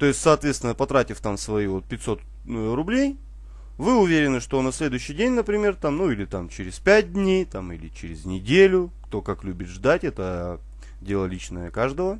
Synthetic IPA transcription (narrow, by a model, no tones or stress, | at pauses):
t̪o̞ɪsʲtʲsɐːt̪vʲet̪st̪vʲɪnəpɐt̪ɾatʲɪft̪amsvɐivo̞t̪̚pʲɪtʲso̞t̪ | rʊblʲej | vɨʊvʲeɾʲɪnɨʂt̪o̞nɐsʲlʲed̪ʊjʏɕːɪjdʲenʲnəpɾʲɪmʲe̞rt̪amnuilʲɪt̪amt͡ɕɪɾʲɪspʲæt̚ʲd̪ʲnʲejt̪amilʲɪt͡ɕɪɾʲɪznʲɪdʲelʲʊkt̪o̞kaklʲubʲɪt̪ʐd̪atʲɛt̪ə | dʲe̞lˠəlʲit͡ɕnəjəkaʐd̪əvə